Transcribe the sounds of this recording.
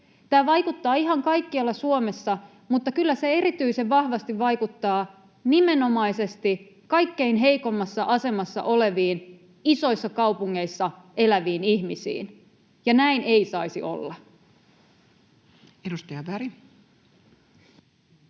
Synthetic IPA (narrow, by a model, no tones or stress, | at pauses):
t̪æːʋɑjkut̪ːɑːiɦɑŋkɑjkːiɑlːɑsuome̞sːɑ | mut̪ːɑkylːæse̞e̞ɾit̪yiseʋʋɑhʋɑst̪iʋʋɑjkut̪ːɑː | nime̞no̞mɑjse̞st̪i | kɑjkːe̞inɦe̞jko̞mːɑsːɑʔɑse̞mɑsːɑ̰ʔo̞le̞ʋiːn | iso̞isːɑkɑwpuŋːe̞isːɑʔe̞læʋiːnihmisḭːn | jɑnæine̞isɑisḭʔo̰lːɑ | edust̪ɑjɑbæɾi